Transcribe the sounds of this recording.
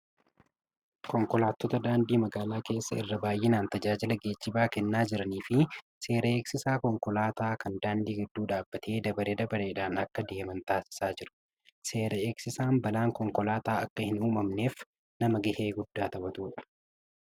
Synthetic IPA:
kɔŋkɔlaːt̪ːɔt̪ɐd̪aːnd̪iːmɐɡaːlaːke̞ːsːɐɪ̰rːɐbaːjʔeːnaːnt̪ɐd͡ʒaːd͡ʒɪlɐɡe̞ːt͡ʃːɪbaːkɛnːaːd͡ʒɪɾɐniːfɪ | se̞ːɾɐeːksɪsaːkɔŋkɔlaːt̪aːkɐnd̪aːnd̪iːɡɪd̪ːuːᶑaːbːɐt̪ʰeːd̪ɐbɐɾeːd̪ɐbɐɾeːᶑaːnɐkːɐd̪e̞ːmɐnt̪aːsɪ̥saːd͡ʒɪɾʊ̥ | se̞ːɾɐeːksɪsaːmbɐlaːŋkɔŋkɔlaːt̪aːɐkːɐhɪnuːmɐmne̞ːf | nɐmɐɡɐheːɡʊd̪ːaːt̪ɐbɐt̪uːᶑɐ̥

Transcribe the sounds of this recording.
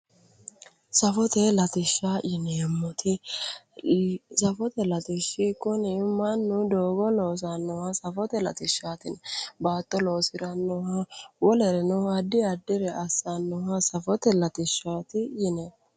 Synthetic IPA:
sɐfɔt̪ɛlɐt̪ɪʃːaːjɪnɛjɛmːɔt̪ʰɪ | sɐfɔt̪ɛlɐt̪ɪʃːɪkʊnɪmɐnːʊd̪oːɡɔloːs̬ɐnːɔhɐsɐfɔt̪ɛlɐ̰t̪ɪʃːaːt̪ɪnbaːt̪ːɔlo̞ːsɪɾɐnːɔhɐwɔlɛɾɛnɔɐd̪ːɪɐd̪ːɪɾɛʔɐsːanːɔhɐsɐfɔt̪ɛlɐt̪ɪʃaːt̪ɪjɪnɛ

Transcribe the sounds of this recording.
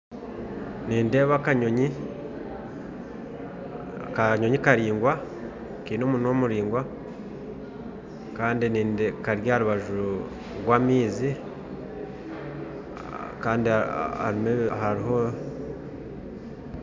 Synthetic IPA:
niːnde̞ːβakaɲo̞ɲi | kaɲo̞ɲikaɾiːŋɡwa | kiːnomunomuɾiːŋɡwa | kaːndiniːndekaɾjaɾuβaʒu | ɾwaːmiːzi | kaːndiha̰ɾimehaɾiɦo̞

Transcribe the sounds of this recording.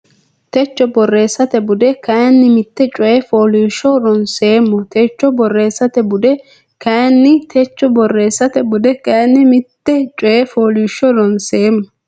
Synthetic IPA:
t̪ɛt͡ʃːɔbɔrːe̞ːsːɐt̪ɛbʊd̪ɛkɐnːɪmɪt̪ːɛt͡ʃʼɔjɛfoːliːʃːɔɾɔnseːmːɔt̪ɛt͡ʃːɔbɔrːe̞ːsːɐt̪ɛbʊd̪ɛ | kɐjnːɪt̪ʰɛt͡ʃːɔbɔrːe̞ːsːɐt̪ɛbʊd̪ɛkɐnːɪmɪt̪ːɛt͡ʃʼɔjɛfoːliːʃːɔɾɔnseːmːɔ

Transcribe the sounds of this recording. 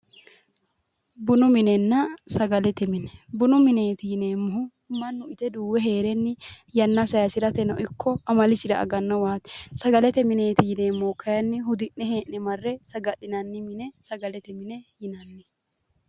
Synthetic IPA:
bʊnʊmɪnɛnːɐsɐɡɐlɛt̪ɛmɪnɛbʊnʊmɪneːt̪ɪjɪne̞ːmːɔhʊ | mɐnːʊɪt̪ɛd̪uːwɛɦe̞ːɾɛnːɪjɐnːɐsɐjɐsɪɾɐt̪ɛnɔʔɪkːɔɐmɐlɪsɪd̪ɐʔɐ̰ɡɐnːɐwaːt̪sɐɡɐlɛt̪ɛmɪneːt̪ɪjɪne̞ːmːokʰːɐjɐnːɪhʊd̪ɪʔːɛheːʔnɛmɐrːɛsɐɡɐɗɪnɐnːɪmɪnɛsɐɡɐlɛt̪ɛmɪnɛjɪnɐnːɛ

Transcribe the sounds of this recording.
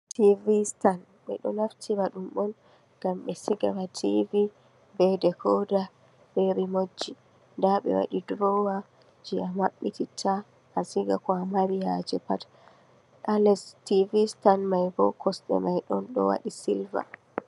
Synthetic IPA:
tivistan | ɓɛ̰ɗɔnaftʰibaɗumɓɔn | ɡ̥amɓɛsiɡa̰matʰivi | bɛdɛkʰɔda | ɓɛɾimod͡ʒːi | ndaɓɛ̰wa̰ɗidɾɔwa | d͡ʒiamaɓːititʰa | ʔasiɡakɔamaɾijad͡ʒɛpat | alɛstivistanmajbɔkʰɔsɗɛ̰majɗɔnɗɔ̰wa̰ɗisilva̰

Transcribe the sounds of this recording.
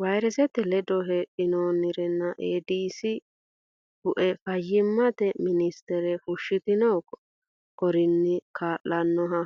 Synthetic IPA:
wɐjɾɛsɛt̪ːɛlɛd̪ɔɦɛʔɪnoːnɪɾɛnːɐʔeːd̪iːsɪ | b̥ʊʔɛfɐjːɪmːɐt̪ɛmɪnɪst̪ɛɾɛfʊʃːɪt̪ɪnɔːkɔ̥ | kɔɾɪnːɪkʰaːʔɐnːɔɦɐ

